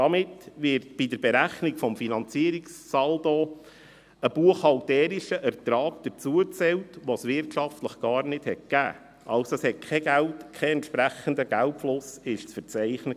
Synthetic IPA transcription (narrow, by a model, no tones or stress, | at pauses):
dɑmɪtʋɪɾtb̥idəɾbɛɾæχnikfɔmfinɑnt͡siəɾikssɑldo | əb̥uəχɑltɛːɾiʃəʔɛɾt̪ɾɑːkd̪̥əɾt͡suət͡sɛwtʋosʋɪɾtʃɑftləχɡ̥ɑːɾnɪd̥hɛt̚kæ̰ː | ʔɑlsoshɛt̚kʰɛɡ̥æltkʰɛɛntʃpɾæχəndəɡ̥ælpflʊsɪʃt͡sfəɾt͡sæɪχnə